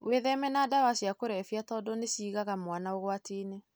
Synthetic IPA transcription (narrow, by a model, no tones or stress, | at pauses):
weðɛmɛnadawaɕjakoɾɛfjatɔːdɔneɕiːɣaɣamwanaoɣwatiːne